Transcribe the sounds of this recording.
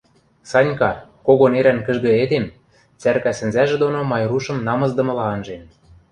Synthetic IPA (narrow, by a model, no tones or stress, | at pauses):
sɑnʲkɑkoɣoneɾænkɘ̆ʒɣɤ̆ed̪em | t͡særkæsɘ̆nzæʒĕd̪onomɑjruʃɤ̆mnɑmɤ̆zd̪ɤ̆mɤ̆lɑɤnʒen